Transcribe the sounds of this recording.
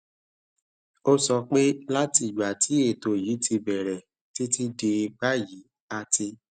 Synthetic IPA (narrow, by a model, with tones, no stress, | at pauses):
o˦sɔ˧k͡pe˦la˦ti˧˨ɡ͡ba˨ti˨˦e˦˨to˨ji˨˦tʰi˧bɛ˨ɾɛ˨ | ti˦ti˦de˧ɡ͡ba˦ji˨˦ | a˧ti˧